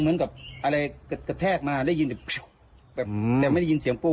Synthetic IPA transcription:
ŋmɯ˨˦ənka˨˩p̚ʔa˧ɾa˧jkka˧˩t̪ʰɛː˥˩k̚maː˧lɛ˦˥˨ji˧nbɛ˨˩p | bɛː˨˩p̚t̪ɛː˨˩m˥˩da˥˩ji˧nsi˨˦əŋpo˧

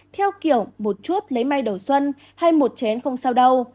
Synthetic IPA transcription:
t̪ʰɛ˧wki˧˨əwmo˨˩t̚t͡ɕu˦˥t̚lə˨˦jma˧jɗə˨˩wswə˧n | ha˧jmo˨˩t̚t͡ɕɛ˨˦nxə˧wŋ͡msaː˧wɗə˧w

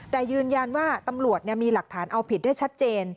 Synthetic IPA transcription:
t̪ɛː˨˩jɯː˧nja˧nwaː˥˩t̪a˧mɾu˨˩ət̪̚ni˥˩əmiː˧la˨˩k̚t̪ʰaː˩˦nʔa˧wpʰi˨˩t̪̚da˥˩jt͡ɕʰa˦˥t̪̚t͡ɕeː˧n

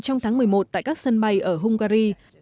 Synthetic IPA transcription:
t͡ɕɔ˧wŋ͡mt̪ʰaː˨˦ŋmɨ˨˩əjmo˨˩t̚t̪a̰ː˧˨jkaː˦˥k̚sə˧nɓa˧jʔəː˧˩ɦʊ˧ŋ͡mkaː˧ɾi˧

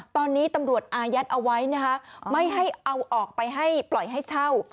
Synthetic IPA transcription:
t̪ɔː˧nːiː˦˥t̪a˧mɾu˨˩ət̪̚ʔaː˧ja˦˥t̪̚ʔa˧wa˦˥jna˦˥kʰa˦˥ma˥˩jɦa˥˩jʔa˧wʔɔː˨˩k̚pa˧jɦa˥˩jplɔ˨˩jɦa˥˩jt͡ɕʰa˥˩w

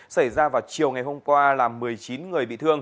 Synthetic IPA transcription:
sa˧˩jzaː˧vaː˨˩wt͡ɕi˨˩əwŋa˨˩jɦo˧mkwaː˧laː˨˩mːɨ˨˩əjt͡ɕi˨˦nŋɨ˨˩əjɓḭ˧˨t̪ʰɨ˧əŋ

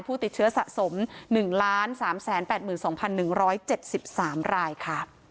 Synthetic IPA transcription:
pʰuː˥˩t̪i˨˩t̪̚t͡ɕʰɯ˦˥ɐsa˨˩ʔso˩˦mnɯ˨˩ŋlaː˦˥nsaː˩˦msɛː˩˦npɛː˨˩t̪̚mɯː˨˩nsɔː˩˦ŋpʰa˧nːɯ˨˩ŋɾɔː˦˥jt͡ɕe˨˩t̪̚si˨˩p̚saː˩˦mɾaː˧jkʰa˥˩

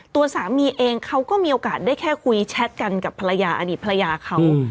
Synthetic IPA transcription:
t̪u˧ɐsaː˨˩˦miː˧ʔeː˧ŋkʰa˦˥wkɔː˥˩miː˧ʔoː˧kaː˨˩t̪̚daː˥˩jkʰɛː˥˩kʰu˧jt͡ɕʰɛ˦˥t̪̚ka˧nka˨˩pʰa˧la˧jaː˧ʔa̰˧˩diː˨˩t̪̚pʰa˧la˧jaː˧kʰa˦˥w

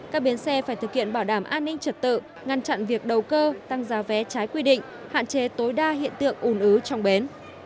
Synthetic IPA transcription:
kaː˦˥k̚ɓi˨˦ənsɛ˧faː˧˩jt̪ʰɨ˨˩k̚hḭ˧˨ənɓaː˧˩wɗaː˧˩mʔaː˧nːï˧ŋ̟t͡ɕə˨˩t̚t̪ɨ̰˧˨ | ŋa˧nt͡ɕa̰˧˨nvi˨˩ək̚ɗə˨˩wkəː˧t̪a˧ŋzaː˨˦vɛ˨˦t͡ɕaː˨˦jkwi˧ɗḭ˧˨ŋ̟ha̰ː˧˨nt͡ɕe˨˦t̪o˨˦jɗaː˧hḭ˧˨ənt̪ɨ̰˧˨əŋʔu˧˩nʔɨ˨˦t͡ɕɔ˧wŋ͡mɓe˨˦n

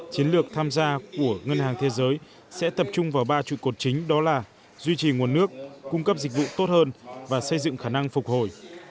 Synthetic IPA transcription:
t͡ɕi˨˦nlɨ˨˩ək̚t̪ʰaː˧mzaː˧ku˧˩əŋə˧nhaː˨˩ŋt̪ʰe˨˦zəː˨˦j | sɛ̰˧˥t̪ə˨˩p̚t͡ɕʊ˧ŋ͡mvaː˨˩wɓaː˧t͡ɕḭ˧˨ko˨˩t̚t͡ɕï˨˦ŋ̟ɗɔ˨˦laː˨˩ | zwi˧t͡ɕi˨˩ŋu˨˩ənːɨ˦˥ək̚ːʊ˧ŋ͡mkə˦˥p̚zi˨˩k̟̚vṵ˧˨t̪o˦˥t̚həː˧nvaː˨˩sə˧jzɨ̰˧˨ŋxaː˧˩na˧ŋfʊ˨˩k͡p̚ho˨˩j

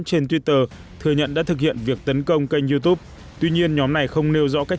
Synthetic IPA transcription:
t͡ɕe˧nt̪wi˦˥t̪əː˧ | t̪ʰɨ˨˩əɲə̰˧˨nɗa̰ː˧˥t̪ʰɨ˨˩k̚hḭ˧˨ənvi˨˩ək̚t̪ə˨˦nkə˧wŋ͡mkə˧jŋ̟zu˧t̪u˦˥p̚ | t̪wi˧ɲi˧ənɲɔ˨˦mna˨˩jxə˧wŋ͡mne˧wzɔ̰˧˥ka˦˥k̚

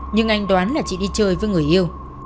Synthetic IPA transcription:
ɲɨ˧ŋʔa˧jŋt̪waː˨˦nlaː˨˩t͡ɕḭ˧˨ɗi˧t͡ɕəː˧jvəː˨˦jŋɨ˨˩əjʔi˧əw

